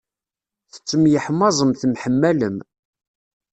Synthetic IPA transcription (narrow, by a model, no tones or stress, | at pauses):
θə̥t͡sːəmjəħmːɑzˤəmθmħəmːæləm